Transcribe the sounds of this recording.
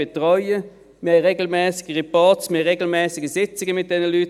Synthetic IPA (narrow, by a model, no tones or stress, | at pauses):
etʁɔʏə | mɪhɛjʁeːɡl̩mɛːsɪ̥ɡ̥əʁipɑːtsmɪhɪʁeɡl̩mɛːsɪɡəsɪt͡sɪɡəmɪt̚d̥ɛnəlyːt